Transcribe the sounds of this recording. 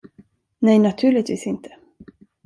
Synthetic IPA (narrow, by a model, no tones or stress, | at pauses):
nɛjnat̪ʰʉ̟ːɭɪt̪vḭːsɪnt̪ʰə̥